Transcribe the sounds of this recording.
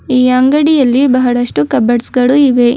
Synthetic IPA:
iːɐŋɡɐɽijɐlːibɐɦɐɽɐʂʈukɐbɐɽsɡɐɭuiʋe

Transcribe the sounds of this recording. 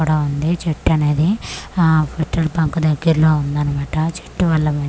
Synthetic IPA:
uːɽaːund̪it͡ʃeʈːɐne̞ːd̪i | pʰiʈːɐlpɐŋkud̪ɐɡːiɾlo̞ːund̪aːnimaːʈɐt͡ʃe̥ʈːuʋɐlːɐmɐ

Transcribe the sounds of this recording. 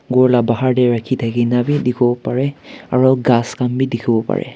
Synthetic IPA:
ɡɔɹlabaɦaɹdɛɹakʰitʰakinabidikʰɔbɔpaɹɛaɹɔɡaskambidikʰɔbɔpa̰ɹɛ̰

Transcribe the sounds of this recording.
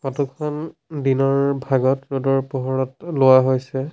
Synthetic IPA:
kɔtɔkʰɔndinɔɹbʱaɡɔtɹodɔɹpɔɦɔɹɔtlʊwaɦojsɛ

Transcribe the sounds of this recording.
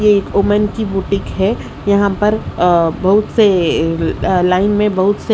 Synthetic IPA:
jeeːkoːmənkibuːʈɪ̃kɦɛ | jɐɦãpɐɾbɐɦʊt̪se | laːɪnmẽbɐɦʊt̪se

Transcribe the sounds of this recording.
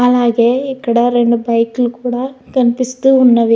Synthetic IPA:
ɐlaːɡeikɐɽɐɾeɳɖubɐjklukuːɽɐkɐnpist̪uunːɐʋi

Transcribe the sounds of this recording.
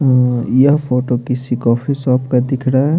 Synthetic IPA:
jɐɦpʰoːʈokɪsikɔpʰisɔːpkad̪ɪkʰɽaɛ

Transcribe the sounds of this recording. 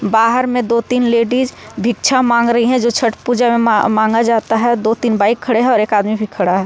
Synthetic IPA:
baːɦəɾmẽd̪oːt̪iːnleːɖiːd͡ʒbʱikt͡ʃʰamãːŋɡɾəɦiɦɛ̃d͡ʒoːt͡ʃʰəʈpuːd͡ʒamẽmãːŋɡad͡ʒaːt̪aɦɛd̪oːt̪iːnbaːɪkʰːɐɽeɦɛ̃ɔːɾeːkaːd̪mibʱikʰəɽaɦɛː

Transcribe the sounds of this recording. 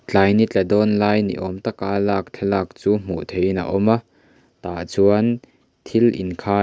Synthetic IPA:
t͡ɬaːjnit͡ɬɛdɔnlaːjnḭʔɔmt̪ɐkaːlaːk̚t͡ɬʰɛlaːk̚t͡suːm̥ṵʔt̪ʰejina̰ʔɔma | t̪aːʔt͡suɐn | t̪ʰilḭnkʰaː

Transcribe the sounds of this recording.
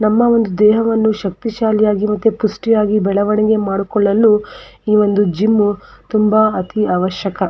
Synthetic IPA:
nɐmːɐʋo̞nd̪ud̪ɛːɦɐʋɐnːuʃɐk̚t̪iʃaːlijaːɡimɐt̪ːupusʈijaːɡibɛɭɐʋɐɳiɡe̞maːɽukɔɭːɐlːuiːʋo̞nd̪ud͡ʒimːut̪umbɐɐt̪iaːʋɐʃjɐkɐ

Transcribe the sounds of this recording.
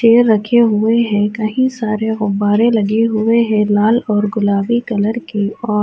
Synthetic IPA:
ʃeːɾːɐkʰeɦʊeɦɛ̃kɐɦĩsaːɾeɣʊbːaːɾẽlɐɡeɦʊeɦɛ̃laːlɔːɾɡʊlaːbikɐləɾkiɔː

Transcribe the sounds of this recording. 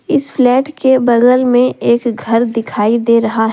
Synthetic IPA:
ɪsflɛːʈkebɐɡəlmẽʔeːkɡʱɐɾd̪ɪkʰaːid̪eːɾɐɦaɦ

